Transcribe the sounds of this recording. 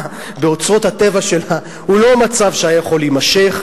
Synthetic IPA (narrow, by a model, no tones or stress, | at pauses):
be̞o̞t͡sʁo̞t̪hat̪e̞vaʃe̞la | hulo̞mat͡savʃeajajaχo̞limaʃe̞χ